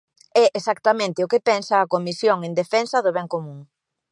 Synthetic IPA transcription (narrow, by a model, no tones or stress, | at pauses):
ɛʔesak̚t̪ɐmẽnt̪eʊkepɛnsɐːkomisjoŋend̪efɛnsɐðoβɛŋkomũŋ